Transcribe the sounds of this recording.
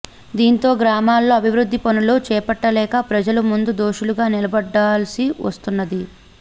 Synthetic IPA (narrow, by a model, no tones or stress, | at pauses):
d̪iːnt̪o̞ːɡɾaːmaːlːo̞ːɐbʱiʋɾud̪ʱːipɐnulo̞ːt͡ʃɛːpɐʈːɐlɛːkɐpɾɐd͡ʒɐlumund̪ud̪o̞ːʃuluɡaːnilɐbɐɖːaːlɐsiʋɐ̰st̪unːɐd̪i